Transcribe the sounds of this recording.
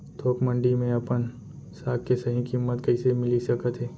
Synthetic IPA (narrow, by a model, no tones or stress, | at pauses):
t̪ʰoːkmə̃ɳɖimẽɐpən | saːkkesɐɦĩkiːmːət̪kɐɪsemɪlisɐkət̪ɦɛː